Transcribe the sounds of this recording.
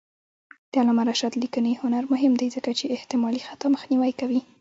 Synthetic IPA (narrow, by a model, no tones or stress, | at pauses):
d̪̥əalamaɾaʃat̪likənihʊnaɾmʊɦɪmd̪ajzəkat͡ʃeːht̪ɪmɑlixat̪aməxniwajkawi